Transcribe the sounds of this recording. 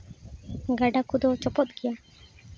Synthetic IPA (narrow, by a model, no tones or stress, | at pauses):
ɡaɖakud̪ɔt͡ʃɔpɔt̪̚ɡija